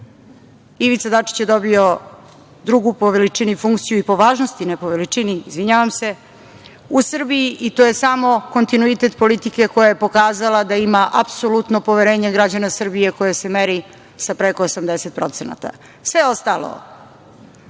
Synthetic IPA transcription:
iʋit̪sad̪at͡ʂi̥t͡ɕjed̪o̞bio̞ | d̪ɾuɡupoʋelit͡ʂinifuŋk̚t̪sijuipo̞ʋaːʒnost̪inepo̞ʋelit͡ʂiniːzʋiɲaʋamse̞ | usr̩bijiʔit̪oje̞samo̞ko̞nt̪inuit̪e̞t̪po̞lit̪ike̞ko̞jaje̞po̞kaːzalˠad̪aimaʔapso̞lut̪nopo̞ʋe̞ɾe̞ːɲeɡɾad͡ʑanasr̩bije̞ko̞jese̞meɾi | sapɾeko̞ːsamd̪ese̞t̪̚pɾo̞t̪sena̰t̪a̰ | sʋeo̞st̪alo̰

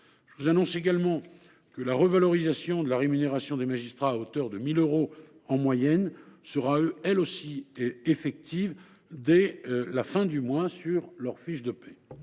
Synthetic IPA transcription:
ʒ̥əvuzanɔ̃seɡalmɑ̃ | kəlaʁəvalɔʁizasjɔ̃d̪əlaʁemyneʁasjɔ̃d̪emaʒist̪χaːot̪œʁd̪əmiløʁo | ɑ̃mwajɛnsəʁaɛlosiefɛk̚t̪iv | d̪ɛlafɛ̃d̪ymwasyʁlœʁfiʃd̪əpɛ

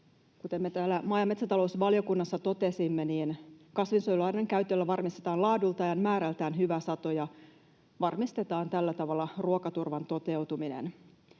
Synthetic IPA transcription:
kut̪emːet̪æːlːæmɑːjɑmesæt̪ɑlo̞usʋɑljo̞kunːɑsːɑt̪o̞t̪e̞simːeniːnkɑsʋinsojulɑneŋkæyt̪ːelːæʋɑrmist̪e̞t̪ɑːnlɑːdult̪ɑjɑnmæːɾælt̪æːnɦyʋæsɑt̪ojɑ | ʋɑrmist̪e̞t̪ɑːnt̪ælːæt̪ɑʋɑlːɑruokɑt̪urʋɑnt̪o̞t̪e̞wt̪uminḛn

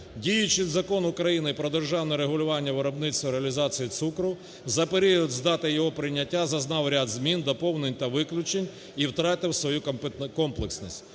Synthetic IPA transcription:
dʲijʊt͡ʃɪzɐkɔnʊkɾɐjinɪpɾɔd̪erʒɑwnɔɾeɦʊlʲʊʋɑnʲːɐʋeɾɔbnɪt̪st̪ɔɾeɐlʲizɑt͡sʲijit̪sukɾʊ | zɐpeɾʲijɔd̪ʲzd̪ɑt̪ɪjɔɦɔpɾɪnʲːɐtʲːazɐznɑwɾʲad̪zmʲind̪ɔpɔwnenʲt̪ɐʋɪklʲʊt͡ʃenʲ | iwt̪ɾɑt̪ɪwsʋɔjukɔmplˠeksnɔsʲtʲ

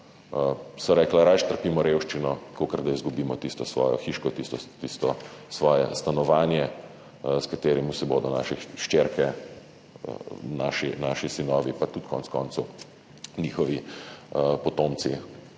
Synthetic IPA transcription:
sɔɾɛːklaɾajʃt̪əɾpiːmɔɾewʃt͡ʃinɔkokəɾd̪aizɡubiːmɔt̪ist̪ɔsʋɔ̰ːjɔ̰xiːʃkɔt̪ist̪ɔt̪ist̪ɔsʋɔːjɛst̪anɔʋaːnjɛ | skat̪eːɾimuwsɛboːd̪ɔnaʃɛʃt͡ʃeːɾkɛ̰ | na̰ːʃinaʃisinɔːʋipat̪ut̪kɔ̰ntskɔːnt̪su | niːxɔʋi | pɔt̪oːmt̪si

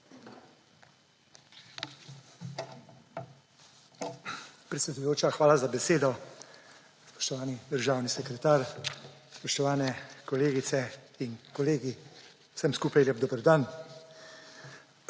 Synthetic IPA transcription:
pɾɛt̪sʲɛd̪ujoːt͡ʃaxʋaːlazabɛseːd̪ɔ | spɔ̥ʃt̪ɔʋaːnid̪əɾʒaːwnisɛkɾɛt̪aːɾspɔʃt̪ɔʋaːnɛkɔleːɡit̪sɛ | inkɔleːɡi̥ | səmskuːpajljɛb̚d̪oːbəɾd̪an

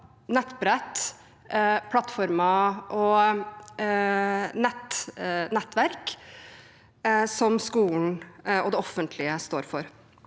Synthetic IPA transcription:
nɛt̪ːbɾɛt̪ː | pʰlɑt̪ːfɔɾmɑʔɔ | nɛt̪nɛt̪ːʋæɾk | sɔmskuːln̩ɔd̪ɛɔfːənt̪ʰlɪəst̪o̰ːɾfɔɾ

